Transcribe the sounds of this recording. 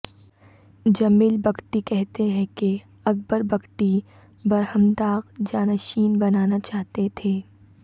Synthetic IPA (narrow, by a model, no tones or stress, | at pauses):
d͡ʒɐmiːlbɐkʈikɛɦt̪eɦɛ̃ke | ɐk̚bəɾbɐkʈi | bɐɾhəmd̪aːɣd͡ʒaːnaʃiːnbɐnaːnat͡ʃaːɦt̪et̪ʰeː